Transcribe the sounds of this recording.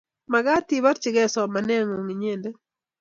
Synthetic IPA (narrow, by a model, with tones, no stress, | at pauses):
ma˨ɡa˦ti˦ba˦ɾt͡ʃɪ˨ɡɛ˦sɔ˨ma˨nɛ˦ŋo˨ŋi˨ɲe˦˨nde˦